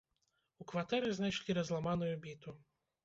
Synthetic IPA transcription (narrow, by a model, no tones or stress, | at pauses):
ukʋɐt̪ɛɾɪznɛʃlʲiɾɐzlˠɐmanɔjʊbʲit̪ʊ